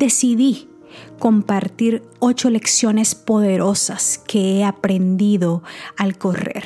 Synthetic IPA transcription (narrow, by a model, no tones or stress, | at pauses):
d̪e̞siði | ko̞mpaɾt̪iɾ | o̞t͡ʃole̞ksjo̞ne̞spo̞ðe̞ɾʔo̞saskʰe̞eapɾe̞nd̪iðo̞alko̞rḛɾ